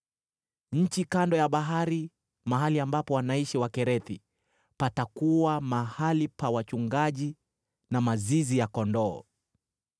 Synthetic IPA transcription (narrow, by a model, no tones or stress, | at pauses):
ɲ̩t͡ʃikandɔjaɓaɦaɾi | maɦaliambapɔwanaiʃiwakɛɾɛθḭ | patakuwamahalipawat͡ʃuŋɡaʄi | namazizijakɔndɔː